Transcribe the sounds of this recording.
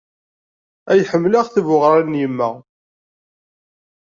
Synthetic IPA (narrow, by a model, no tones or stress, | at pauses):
æjħəmːlaʁθivʊʁɾˤanjəmːæ